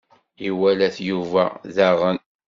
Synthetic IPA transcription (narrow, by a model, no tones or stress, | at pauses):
iwælæθjuvæ̰ðaʁən